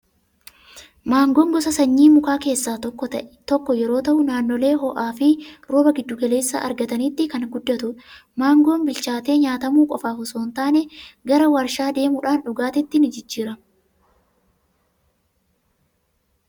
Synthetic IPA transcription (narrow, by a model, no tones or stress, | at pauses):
maːŋɡoːŋɡɔsɐsɐɲːiːmʊkaːke̞ːsːaːɔkːɔɐʔt̪ɔkːɔjɛɾo̞ːt̪ɐʔʊnaːnːɔle̞ːɦɔʔaːfɪɾoːbɐɡɪd̪ːʊɡɐle̞ːsːa̰ːʔɐɾɡɐt̪ɐniːt̪ːɪkɐnɡʊd̪ːɐt̪ʊmaːŋɡo̞ːnbɪlt͡ʃaːt̪e̞ːɲaːt̪ɐmuːkʼɔfaːhʊsoːnt̪aːnɛɡɐɾɐwɐɾʃaːd̪e̞ːmʊᶑaːnᶑʊɡaːt̪ɪt̪ːɪnɪd͡ʒɪd͡ʒːiːɾɐ